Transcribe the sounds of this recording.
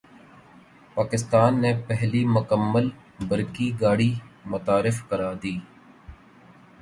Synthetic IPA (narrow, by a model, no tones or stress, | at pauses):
paːkɪst̪aːnːepɛɦlimʊkəmːəl | bəɾkiɡaːɽimʊt̪aːɾɪfkəɾaːd̪iː